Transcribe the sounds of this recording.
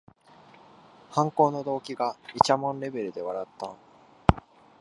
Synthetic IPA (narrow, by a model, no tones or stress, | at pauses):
hãŋko̞ːno̞d̪o̞ːkʲiɡait͡ɕamõ̞nɾe̞be̞ɾɯ̟d̪e̞βaɾat̪ːã̰